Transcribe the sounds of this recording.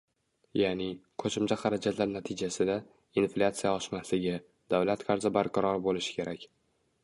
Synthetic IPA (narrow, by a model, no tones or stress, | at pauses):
janɪkʰɵʃɪmt͡ʃʰaχɑɾad͡ʒat̪ʰlaɾnat̪ʰɪd͡ʒasɪd̪a | inflʲat̪sijaɒʃmaslɪɡʲɪ | d̪awlat̪qʰɑɾzɪbaɾqʰɑɾɒɾbolɪʃɪ̥kʲʰe̞ɾakʲ